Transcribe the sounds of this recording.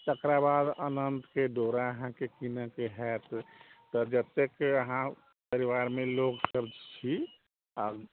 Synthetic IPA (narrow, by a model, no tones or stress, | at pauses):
t̪əkɾabaːd̪ənənt̪keɖoːɾaəɦãkekinakeɦɛt̪t̪ɔd͡ʒət̪ːekəɦã | p̪əɾiʋaɾmẽloɡsəɾd͡ʒt͡ʃʰi | a